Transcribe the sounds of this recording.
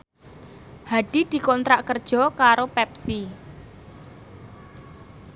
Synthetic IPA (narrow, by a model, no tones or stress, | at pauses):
haɖ̥i̤d̪̥i̤kɔnt̪ɾaʔkərd̥ʒ̥ɔ̤kaɾopɛpsi